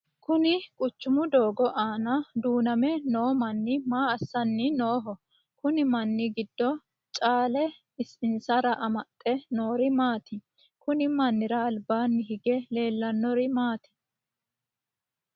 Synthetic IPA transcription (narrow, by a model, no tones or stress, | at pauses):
kʊnɪkʼʊt͡ʃːʊmʊd̪oːɡɔʔaːnɐd̪uːnɐmɛnoːmɐnːɪmaːɐsːɐnːɪno̞ːɦɔ | kʊnɪmɐnːɪɡɪd̪ːɔ | t͡ʃʼaːlɛ | ɪsɪnsɐɾɐʔɐmɐt̪ʼːɛno̞ːɾɪmaːt̪ɪ | kʊnɪmɐnːɪɾɐːlbaːnːɪɦɪɡɛle̞ːlːɐnːɔɾɪmaːt̪ɪ̥